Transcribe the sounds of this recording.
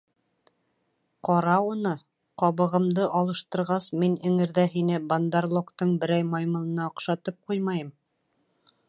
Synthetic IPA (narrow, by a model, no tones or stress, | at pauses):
qɒɾɑunɤ | qɒβɤ̆ʁɤ̆md̪ɤʔɑlˠɤ̆ʃt̪ɤ̆ɾʁɑsminɘ̆ŋɘ̆ɾðæɦinɘband̪arlˠokt̪ɤɴbɘ̆ɾæjmɑjmɤ̆lˠɤ̆nɑŏqʃɑt̪ɤp̚qujmɑjɤm